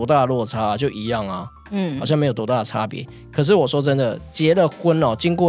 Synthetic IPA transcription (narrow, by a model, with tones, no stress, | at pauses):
t̪a˥˨lwɔ˥˩t͡sʰa˥a˨t͡ɕjo˥˩ʊʔi˧˥jɑ˥˩ŋa̰˩˥ | hɑ˨˩ɕjɑ˥˩ŋm˧˥jo˨˩t̪u˧˥t̪a˥˩ə˨˩ʈ͡ʂʰa˦˥pjɛ̰˧˦ | kʰə˨˩ʂ̬ɻ̩˥˩wɔ˨˩ʂwɔ˥t͡sə˦nd̪ə˨t͡ɕjɛ˧˥lə˨xwə˦nɔ˨˩t͡ɕi˦˥ŋkwɔ˥˩˨